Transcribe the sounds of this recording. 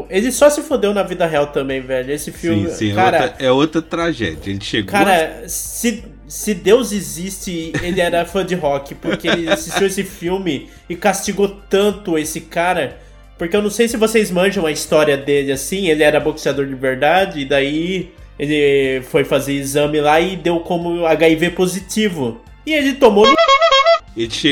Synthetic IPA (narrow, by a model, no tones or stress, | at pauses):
elɪsɔsɪfod̪ewnɐvid̪ɐɦeawt̪ɐ̃mbẽj̃vɛʎɐesɪfiwmɪɪsɛkaoɾɐɛot̪ɾɐt̪ɾaʒɛ̰d͡ʒɐelɪʃeɡkaɾɐsɪ | sɪd̪ewzɪzist͡ʃɪelɪɛɾɐfɐ̃d͡ʒɪɦɔkɪpoɾkeelɪasisʃt͡ʃiwesɪfiwmɪ | ɪkast͡ʃiɡot̪ɐ̃nt̪ʊesɪkaɾɐ | poɾkeewnɐ̃w̃sejsɪvosejzmɐ̃ʒɐ̃w̃ɐist̪ɔɾiɐd̪elɪasĩelɪɛɾɐboksiad̪oɾd͡ʒɪveɾd̪ad͡ʒɪːd̪ai | elɪfojfazeɾizɐ̃mɪlaɪd̪ewkõmʊaɡaivepozit͡ʃivʊ | ɪelɪt̪omonʊ | elʃ